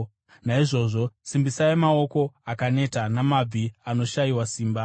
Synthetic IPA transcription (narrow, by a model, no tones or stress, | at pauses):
naiʐo̞ːʐo̞simbisaemao̞ko̞akane̞tanamab͡vʱiano̞ʃaiwasiːmba